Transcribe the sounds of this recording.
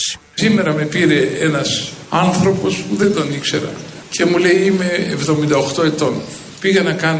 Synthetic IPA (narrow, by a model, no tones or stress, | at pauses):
ime̞ɾɐme̞piɾe̞enɐsɐnθɾo̞po̞spuðe̞nd̪onikse̞ɾɐ̰ | cʰe̞mule̞iime̞ːvðo̞mind̪ɐoxt̪o̞e̞t̪o̞n | piɣenɐkɐn